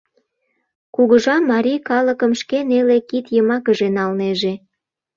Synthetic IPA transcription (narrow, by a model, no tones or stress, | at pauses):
kuɣəʒɑmːɑɾʲikɑləkəmʃkenelekit̪jəmɑkəʒenɑlneʒe